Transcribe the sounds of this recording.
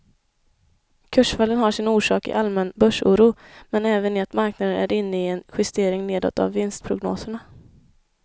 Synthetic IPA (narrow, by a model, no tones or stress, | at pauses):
kʰɵʂfalːənɦaʂɪnuːʂɑ̰ːkɪ̰ʔalmɛnbœʂṵːɾuːmɛnɛːvənɪat̪maɾknad̪ənæ̰ɾɪnːəɪɛnɧɪst̪eːɾɪŋneːd̪ɔ̰t̪ːa̰vːɪnst̪̚pʰɾʊɡno̰ːsəɳa